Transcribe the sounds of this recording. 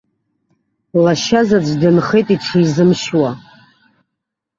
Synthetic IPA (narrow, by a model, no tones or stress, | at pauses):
laʃazad͡ʒʷʰdɨnχe̞jtʼiʈ͡ʂʰiizɨmʃwa